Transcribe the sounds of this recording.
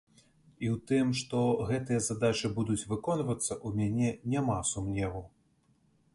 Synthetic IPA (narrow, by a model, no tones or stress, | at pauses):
iwt̪ɨmʂt̪ɔɣɛt̪ɨjɐzad̪at͡ʃɨbud̪ut͡sʲvɨkɔnvɐt̪sːɐʔumʲanʲɛnʲamasumnʲɛvu